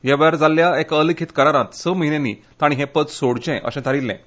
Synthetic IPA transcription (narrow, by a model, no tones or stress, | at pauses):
jɛʋəjaɾd͡zalːjaekəlikʰit̪kəɾaɾãt̪səməɦinenḭ | t̪aɽ̃iɦɛ̃pət͡ssoɽt͡ɕɛ̃ʔə̰ɕɛ̃t̪ʰaɾilːɛ̰̃